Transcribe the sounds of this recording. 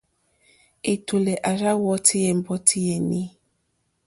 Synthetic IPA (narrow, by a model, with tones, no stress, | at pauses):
e˨to˨lɛ˨ʔa˨ɾa˦wɔ˦tʰi˦jɛ˨m̩˦bɔ˦tʰi˦jɛ˨ni˦